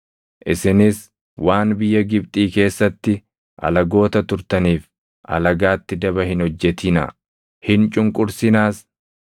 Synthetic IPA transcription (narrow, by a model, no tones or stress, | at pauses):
ʔɪsɪnɪs | waːnbɪjːɐɡɪbt̪ʼiːke̞ːsːɐt̪ːɪ | ʔɐ̰lɐɡo̞ːt̪ɐt̪ʊɾt̪ɐniːf | ʔɐ̰lɐɡaːt̪ːɪd̪ɐbɐhɪnhɔd͡ʒːɛt̪inɐ̰ | hɪnt͡ʃʼʊŋkʼʊɾsɪnaːs